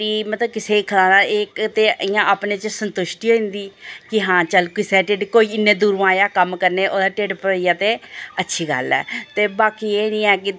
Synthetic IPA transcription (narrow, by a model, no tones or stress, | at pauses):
iːmət̪ləbkɪseːiːkʰəlaːnaːleːkt̪eːɪjãːʔaːpneːt͡ʃəsənt̪ʊʃʈiːɦoːĩnd̪iːkɪɦãːt͡ʃəlkɪseːʈeːɖkoːiːɪnːẽːd̪uːɾʋãːjaːkəmkəɾneːʔoːd̪aːʈeːɖpəɾəijaːt̪eːətːʃʰiːɡə̰lɛ̰ːt̪eːbaːkiːeːnĩːɛːkɪ